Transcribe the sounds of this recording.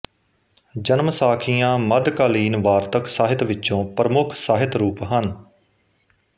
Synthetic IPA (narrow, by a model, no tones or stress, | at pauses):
d͡ʒənmsaːkʰijãːməd̪kaːliːnʋaːɾt̪əksaːɦɪt̪ʋɪt͡ʃːt͡ʃõːpɾəmʊkʰsaːɦɪt̪ɾuːpɦən